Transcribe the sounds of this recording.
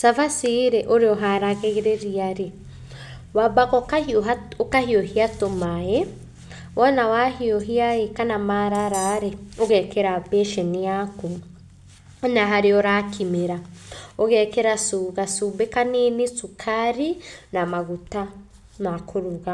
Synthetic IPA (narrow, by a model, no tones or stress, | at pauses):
savasiɾɛʔoɾeɔɦaɾaɣeɣeɾeɾiaɾi | wabaɣɔkaokahiohiatomajɛ | wʔɔnawahiɔɦiaekanamaɾaɾaɾɛoɣɛkeɾabɛʃeniaku | naɦaɾiɔɾakʰimeɾaoɣɛkeɾasuɣasubekaninisukʰaɾinamaɣuta | nakʰoɾuɣa